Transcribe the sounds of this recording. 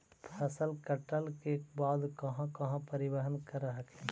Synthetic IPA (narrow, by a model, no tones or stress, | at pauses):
pʰɐsəlkɐʈəlkebaːd̪kɐɦãkɐɦãpɐɾɪwəɦənkɐɾːɐɦəkɛː